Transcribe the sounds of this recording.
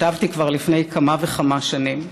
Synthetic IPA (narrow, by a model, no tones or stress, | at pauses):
tavtikvaʁlifne̞jkʰamaveχamaʃanim